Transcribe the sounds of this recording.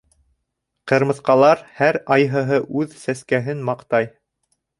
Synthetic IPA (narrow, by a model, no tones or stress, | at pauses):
qɤ̆ɾmɤ̆θqɑlˠɑɾhæɾɑjɦɤ̆ɦɤʔʉðsæskæɦɘnmɑqt̪ɑj